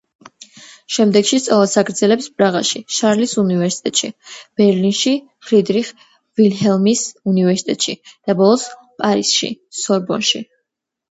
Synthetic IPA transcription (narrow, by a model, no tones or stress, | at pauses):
ʃɛmd̪ɛɡʃist̪sʼɔlˠasaɡɾd̪zɛlɛpspʼɾaʁaʃiʃaɾlisunivɛɾsi̥t̪ʼɛt̪ʼʃḭb̥ɛɾlinʃi | χɾid̪ɾiχ | vilɦɛlˠmisunivɛɾsi̥t̪ʼɛt̪ʼʃḭd̪̥abɔlˠɔs | pʼaɾisʃḭsɔɾbɔ̰nʃḭ